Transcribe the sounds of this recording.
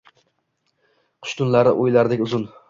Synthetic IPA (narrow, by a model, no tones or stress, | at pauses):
qʰʊ̥ʃt̪ʰʊnlaɾɪ̰ʔojlaɾd̪ɪkʲʊzʊn